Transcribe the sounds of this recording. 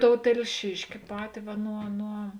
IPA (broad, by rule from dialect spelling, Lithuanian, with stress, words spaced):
ˈtoːʊ tʲɛlʲˈʃʲɪʃʲkʲɪ ˈpɑːtʲɪ ˈʋɐ ˈnuɔ nuɔ